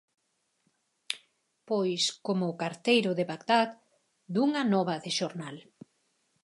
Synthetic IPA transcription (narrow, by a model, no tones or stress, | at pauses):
pojskomʊːkaɾt̪ejɾʊðeβakd̪at̪ | d̪uŋɐnɔβɐðɪʃoɾnal